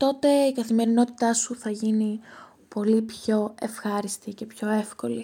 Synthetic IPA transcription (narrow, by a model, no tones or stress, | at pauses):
t̪o̞t̪e̞ikɐθime̞ɾino̞t̪i̥t̪ɐsuθɐʝini | po̞lipço̞e̞fxɐɾist̪ice̞pço̞e̞fko̞li